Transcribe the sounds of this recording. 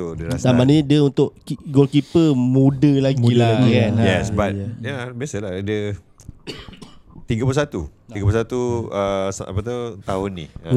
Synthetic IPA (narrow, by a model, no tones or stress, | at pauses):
t̪udəɾasamanidəunt̪ʊʔkiɡolkipəmudəlaɡɡilaɡikanjɛsbatjabiasaladə | t̪iɡapusat̪ṵt̪iɡapusat̪uəsa̰pət̪ut̪aɦʊnːḭ